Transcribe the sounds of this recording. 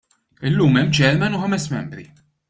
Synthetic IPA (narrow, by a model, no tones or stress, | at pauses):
ɪlːuːmɛmːd͡ʒɛlmɛnʊħɐmɛsmɛmbɾi